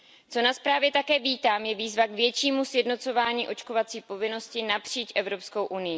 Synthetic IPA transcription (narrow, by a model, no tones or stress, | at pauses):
t͡so̞naspɾaːvjɛt̪akɛːviːt̪aːmjɛviːzvakvjɛt͡ʃiːmusjɛdno̞t͡so̞vaːɲiːʔo̞t͡ʃko̞vat͡siːpo̞vɪno̞scɪnapr̝̥iːt͡ʃʔɛvɾo̞psko̞wʔunɪjɪ